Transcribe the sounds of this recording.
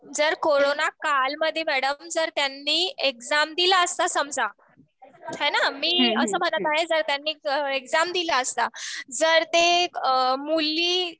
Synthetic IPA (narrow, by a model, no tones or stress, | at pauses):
d͡zəɾkoɾonakalməd̪ʱːjemæɽəmd͡zəɾt̪janːiːekd͡zamd̪ilaəst̪asəmd͡zʱa | hɛ̃namiːəsəːm̤ə̃ɳt̪at̪aɦed͡zəɾt̪janːiːəekd͡zamd̪ilaəst̪ad͡zəɾt̪e | mulːiː